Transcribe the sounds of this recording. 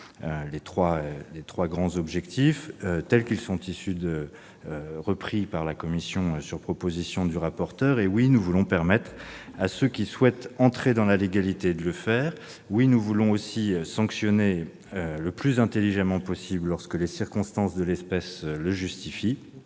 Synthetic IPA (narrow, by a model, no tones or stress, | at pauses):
ølet̪χwaølet̪χwaɡʁɑ̃zɔbʒɛkt̪iføt̪ɛlkilsɔ̃t̪isyd̪ə | ʁəpχipaʁlakɔmisjɔ̃øsyʁpχɔpozisjɔ̃d̪yʁapɔʁt̪œːʁewinuvulɔ̃pɛʁmɛt̪χasøkʲiswɛt̪ɑ̃t̪χed̪ɑ̃laleɡalit̪ed̪ələfɛːʁ | winuvulɔ̃osisɑ̃ksjɔne | øləplyzɛ̃t̪eliʒamɑ̃pɔsiblːɔʁskəlesiʁkɔ̃st̪ɑ̃sd̪əlɛspɛsləʒyst̪ifi